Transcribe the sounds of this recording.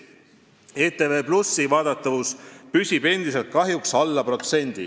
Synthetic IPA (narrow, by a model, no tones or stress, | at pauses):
e̞ːt̪e̞ːve̞ːplusːivɑːd̪̥ɑt̪ːˑɑvuspysʲib̥e̞nd̪̥ise̞lt̪̚kɑɦjuksɑlːɑpro̞t̪se̞nʲd̪̥ḭ